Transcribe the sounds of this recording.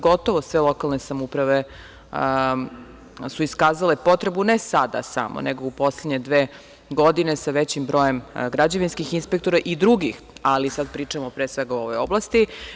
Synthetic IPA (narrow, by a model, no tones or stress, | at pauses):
ɡo̞t̪o̞ʋosʋelˠo̞kalˠnesamupɾaʋe̞ | suiskaːzale̞po̞t̪ɾebunesad̪a̰sa̰mo̰neɡo̞upo̞slˠed̪ɲe̞d̪ʋeː | ɡo̞d̪ine̞saʋet͡ɕimbɾo̞jemɡɾad͡ʑaʋinskixinspekt̪oɾaʔid̪ɾuɡix | alisad̪pɾiːt͡ʂamopɾeːsʋeɡauo̞ʋo̞joblˠast̪i